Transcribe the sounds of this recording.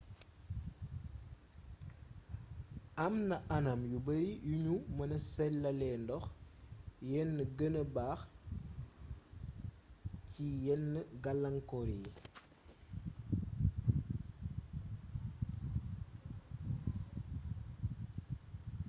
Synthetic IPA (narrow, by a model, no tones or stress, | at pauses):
ɐmnɐʔɐnɐmjubɐɾijuɲumɐnɐsɛlːɐlɛndɔx | jɛnːəɡənəbaːx | cijɛnːəɡɐlːɐŋkɔɾi